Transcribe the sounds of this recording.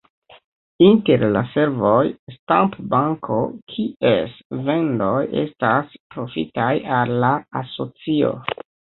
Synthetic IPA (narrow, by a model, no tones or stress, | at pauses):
inte̞ɾlase̞ɾvo̞jstampbaŋkʰo̞̰kʰiesve̞ndo̞je̞̰staspɾo̞fḭtajalːaːso̞t͡sio̞̰